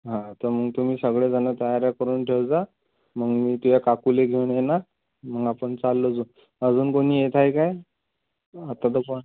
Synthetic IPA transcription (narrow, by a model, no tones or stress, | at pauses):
ɦãt̪əɾməɡt̪um̤iːsəɡɭed͡zanət̪əjaɾjakəɾuːnʈʰewd͡za | məɡmiːt̪ujakakuleɡʱewɳjena | məɡapəɳt͡salːəd͡zuː | əd͡zuːnkoniːjet̪ʰajkaj | at̪at̪əpoɳ